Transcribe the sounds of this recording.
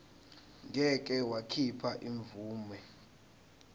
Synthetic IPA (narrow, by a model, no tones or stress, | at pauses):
ŋʱɛk̬ʼɛwakʰipʰaʔiɱvuːmɛ